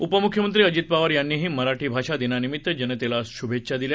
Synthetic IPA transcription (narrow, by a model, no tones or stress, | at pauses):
upəmukʰːjəmənt̪ɾiːəd͡ʑit̪̚paʋəɾjanːiːɦiːməɾaʈʰiːbʱaʂad̪inanimit̪ːəd͡ʑeñet̪elaɕubʱetːɕʰad̪ilja